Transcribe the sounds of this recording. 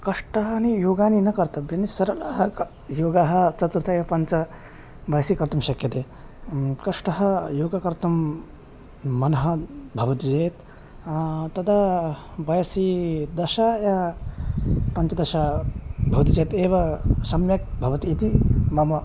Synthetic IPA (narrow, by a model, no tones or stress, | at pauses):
kɐʂʈɐɦɐɐnijoːɡaːninɐkɐɾt̪ɐbjɐnisɐɾɐlaːɦɐk | joːɡaɦɐt͡ʃɐt̪uɾt̪ʰɐejɐpɐnt͡ʃɐ | bɐjɐsikɐɾt̪ɐmʃɐkːjɐt̪eː | kɐʂʈɐɦɐjoːɡɐkɐɾt̪ɐm | ɐnɐɦɐbʱɐʋɐt̪id͡ʒɐjt̪ | t̪ɐd̪abɐjɐsid̪ɐʃaːja | pɐnt͡ʃɐd̪ɐʃaːbʱɐʋɐt̪id͡ʒɐːt̪eːʋɐsɐmjɐk̚bʱɐʋɐt̪iːt̪imɐmɐ